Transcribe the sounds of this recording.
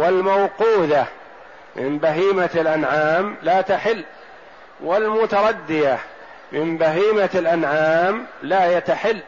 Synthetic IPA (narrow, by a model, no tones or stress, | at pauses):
wɪlmawquːða | mɪ̰mbaɦiːmalʔanʕaːmlaːt̪aħɪlː | wɪlmʊt̪ɑɾˤɑd̪ːɪja | mɪmbaɦiːmalʔanʕaːmlaːjat̪aħɪlː